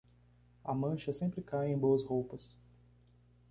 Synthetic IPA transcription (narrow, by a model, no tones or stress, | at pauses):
ɐmɐ̃ʃɐsẽmpɾɪkajẽj̃boɐshowpɐs